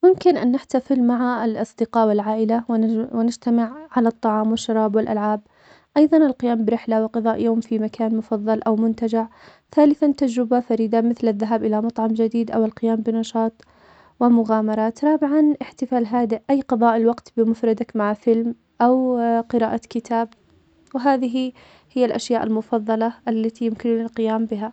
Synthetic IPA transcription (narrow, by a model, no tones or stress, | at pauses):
mʊmkɪnʔanːɪħt̪afɪlmaʕalʔɑsˤd̪ɪqɑːʔwɪlʕaːʔɪlawwɪnɪd͡ʒt̪amɪʕʕalat̪ˤːɑʕɑːmwɪʃːɑɾˤɑːbwɪlʔalʕaːb̚ | ʔɑjðˤɑnɪlqɪjaːmbɪɾɪħlawɪqɑðˤɑːʔjoːmfimakʰaːnmʊfɑðˤːɑlʔawmʊnt̪ad͡ʒɪʕ | θaːlɪθant̪ad͡ʒɾɪbafaɾiːd̪amɪθlaðːaɦaːbʔɪlamɑt̪ˤʕɑmd͡ʒad̪iːd̪ʔawɪlqɪjaːmbɪnɑʃɑːt̪ˤ | wɪmʊɣaːmɑɾˤɑːt̪ɾˤɑːbɪʕɑnʔɪħt̪ɪfaːlɦaːd̪ɪʔʔajːqɑðˤɑːʔɪlwɑqt̪bɪmʊfɾˤɑd̪akmaʕfɪlm | ʔawqɪɾaːʔakɪt̪ʰaːb | wɪɦaːðɪɦi | hɪjːalʔaʃjaːʔalmʊfɑðˤːɑlɑʔalːat̪ijʊmkɪnɪlqɪjaːmbɪɦa